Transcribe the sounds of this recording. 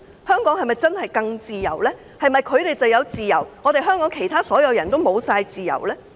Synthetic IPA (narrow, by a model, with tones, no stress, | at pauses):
hœː˥ŋkɔː˨˥ŋhɐ˨jmɐ˨jt͡sɐ˥nhɐ˨jkɐ˧ŋt͡siː˨jɐ̰˨˩wlɛː˥ | hɐ˨jmɐ˨jkʰɵ˨˧ɥt̪e˨jt͡sɐ˨wjɐ˨˧wt͡siː˨jɐ˨˩wŋɔː˨˧ɾe˨˧jɦœː˥ŋkɔː˨˥ŋkʰe˨˩jt̪ʰaː˥sɔː˨˥jɐ˨˧wjɐ˨˩nt̪o˥wmo˨˧wsaː˧jt͡siː˨jɐ̰˨˩wlɛː˥